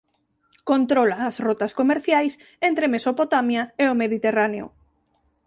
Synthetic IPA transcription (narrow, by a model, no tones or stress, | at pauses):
kont̪ɾolaːsrot̪askomeɾθjajs | ent̪ɾemesopot̪amjaeomeðit̪eraneʊ̰